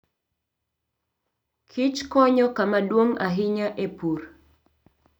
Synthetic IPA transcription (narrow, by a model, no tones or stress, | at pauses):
kʰit͡ʃkɔɲɔkamadwoŋaɦɪɲaʔepur